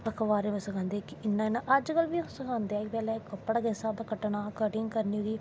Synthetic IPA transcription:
pəkʰʋaːɾẽosəkʰãːnd̪eːkɪɪnːãːɪnãːʔɐd͡ʒkəlʋiːsəkãːnd̪eɛːk̚bɛːlɛːkəpːəɽaɡɛsaːd̪akəʈɳaːkəʈɪŋɡkəɾniːɡ̪iː

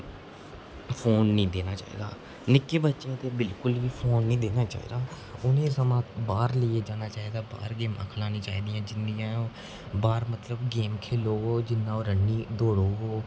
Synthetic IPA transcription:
pʰoːnːĩːd̪eːnaːt͡ʃa̰ːḭːd̪a̰ː | nɪkːeːbətːʃẽːt̪eːbɪlkʊlʋiːpʰoːnːĩːd̪eːnaːt͡ʃa̰ːḭːd̪aː | ʊnẽːsəmãːt̪baːɾləːeːd͡ʒaːnaːt͡ʃaːiːd̪aːba̰ːɾɡeːma̰ːkʰlaːnĩːt͡ʃaːiːd̪ijãːd͡ʒɪnd̪ijãː | baːɾmət̪ləbɡeːmkʰeːloːɦoːd͡ʒɪnːãːoɾəɳːiːd̪oːɽoːɦoː

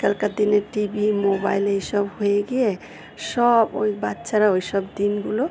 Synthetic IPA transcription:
kəlkad̪ineʈibimobajləjsʌbɦoeɡie | sʌbojbat̪ːsaɾaojsʌbd̪inɡulo

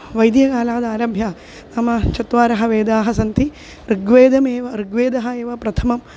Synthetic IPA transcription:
ʋɐjd̪jɐkaːlaːd̪ɐaːɾɐbʱja | t̪ɐmɐt͡ʃɐt̪ʋaːɾɐɦɐ̆ʋeːd̪aːɦɐsɐnt̪ʰi | ɾɨɡʋeːd̪ɐmeːʋɐɾɨɡʋeːd̪ɐɦɐeːʋɐpɾɐt̪ʰɐmɐm

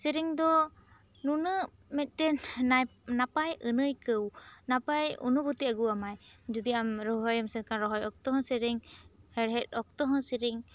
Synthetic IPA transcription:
siɾiŋd̪ɔ | nunɯ | mɛt̪̚ˀtɛ | napajɯnɯjkɯwnapajṵnɔbɔt̪iaɡuamajd͡ʒɔd̪iamɾɔɦɔjamsɛnkʰanɾɔɦɔjɔk̚t̪ɔɦɔ̃siɾiŋhɛɾɦɛt̚ɔk̚t̪ɔɦɔ̃siɾiŋ

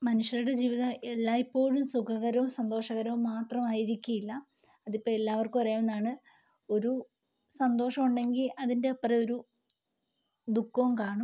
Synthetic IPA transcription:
mɐnuʂjɐɾuɽe̞d͡ʑiːʋiðɐmelːaːipːo̞ːɻumsukʰɐɣɐɾɐʋumsɐnd̪oːʂɐɣɐɾɐʋumːaːt̪rɐmaːjiɾikʲːujilːɐː | ðipːoːɭe̞lːaːʋɐrkupɐrɐjamenːaːɳɨ | o̞ɾu | sɐnd̪o̞ːʂɐmuɳɖe̞ŋɡilɐðinde̞ɐpːrɐo̞ɾu | d̪ukːɐumkaːɳum

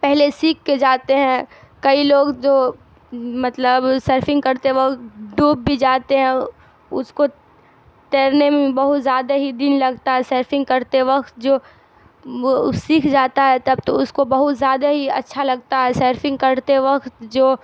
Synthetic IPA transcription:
pɛɦlesiːkʰːed͡ʒaːt̪eɦɛ̃ | kɐiloːɡd͡ʒoː | mɐt̪ləbseːɾfɪ̃ŋɡkɐɾt̪eʋɐkt̪ɖuːb̚ːʱid͡ʒaːt̪eɦɛ̃ | ʊ̰sko | t̪eːɾnemẽbɐɦʊt̪zjaːd̪aɦid̪ɪnlɐɡt̪aɦɛseːɾfɪ̃ŋɡ̚kɐɾt̪eʋɐkt̪̚d͡ʒoː | osiːkʰd͡ʒaːt̪aɦɛt̪ɐbt̪oʊskobɐɦʊt̪zjaːd̪aɦiɐ̰tːʃʰalɐɡ̚t̪aɦɛseːɾfɪ̃ŋɡ̚kɐɾt̪eʋɐkt̪d͡ʒoː

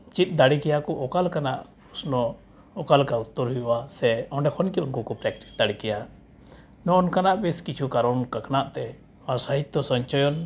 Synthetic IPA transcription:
t͡ʃit̪̚ˀd̪aɽikɛjakɔʔɔkalkanaʔ | usnɔ | ɔkalkaut̪ːɔɾɦijɔwasɛɔ̃ɳɖɛkʰɔnkiunkɔkɔpɾɛk̚ʈi̥sd̪aɽikɛja | nɔɔnkanaʔbiskit͡ʃʰukaɾɔnkakʰnaʔt̪ɛ | maɾsaɦit̪ːɔsɔɲt͡ʃɔjɔn

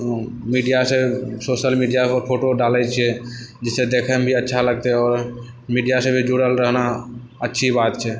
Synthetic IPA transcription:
miːɖijasesoːʃəlmiɖijaəɾpʰoːʈoɖaːlɛt͡ʃʰɛd͡ʒɪssed̪eːkʰəmbʱiətːʃʰaləɡ̚t̪eɔːɾ | miːɖijasebʱid͡ʒuɽəlɾəɦna | ətːʃʰibaːt̪t͡ʃʰɛ

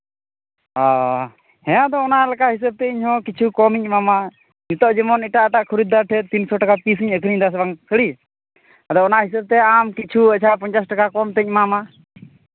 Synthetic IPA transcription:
a | hɛ̃ãd̪ɔːnalakaɦis̬əb̚t̪ɛiɲɦɔ̃kit͡ʃʰukɔmiɲmama | ɲut̪ɔʔd͡ʒəmɔniʈaʔʈ̪aʔkʰuɾud̪aʈʰɛt̪insɔʈakapis̬iɲəkʰɾiɲd̪as̬baŋsʰəɽi | d̪ɔɔnaʔɦis̬əb̚t̪ɛamkit͡ʃʰuət͡ʃʰapəɲt͡ʃasʈakakɔmt̪əɲmama

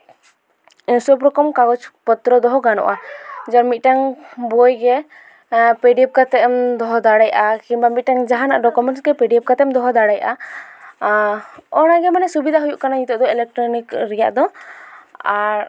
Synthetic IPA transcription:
sɔpɾɔkɔmkaɡɔt͡ʃpɔt̪ɾɔd̪ɔɦɔɡanɔ̰ʔad͡ʒaɾmit̪̚ˀʈaŋbojɡɛ | pɛɖiɛp̚kat̪ɛmd̪ɔɦɔd̪aɽajʔakinbamit̪̚ʈaŋd͡ʒaɦana̰ʔɖɔkɔmɛɳʈsɡɛpɛɖiɛp̚kat̪ɛmd̪ɔɦɔd̪aɽajʔa | ɔñaɡɛmanɛsubid̪ʱaɦujuʔkanaɲit̪ɔʔd̪ɔɛlɛk̚ʈɾɔnikɾɛja̰ʔd̪ɔ | aɾ

